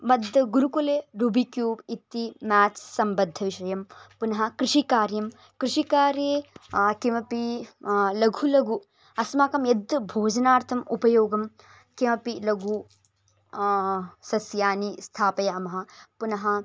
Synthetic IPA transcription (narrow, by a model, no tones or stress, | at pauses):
mɐd̪ʱɡuɾukuleːɾubikjuːbit̪ːimaːt͡ʃsɐmbɐd̪ʱːɐʋiʃɐjɐmpunɐɦɐ̆kɾɪʂikaːɾjɐm | kɾɪʂikaːɾjeːkimɐpi | lɐɡʱulɐɡu | ɐsmaːkɐmjɐd̪bʱoːd͡ʒɐnaːɾt̪ʰɐmupɐjoːɡɐm | kimɐpilɐɡu | sɐsjaːnist̪ʰaːpɐjɐɐmɐɦɐ̆punɐɦɐ